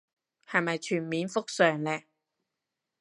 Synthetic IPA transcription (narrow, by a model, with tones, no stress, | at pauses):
hɐ˨jmɐ˨jt͡ʃʰyː˨˩nmiː˨˥nfʊ˥k̚sœː˨ŋlɛː˧